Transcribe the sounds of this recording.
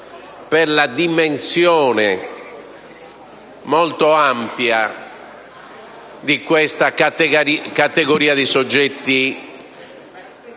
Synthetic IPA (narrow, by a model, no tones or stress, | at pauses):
peɾlad̪imensjɔːnɛ | mɔlt̪oampja | d̪ikwɛst̪a | kat̪eɣoɾiːaðisod͡ʒːɛt̪ːi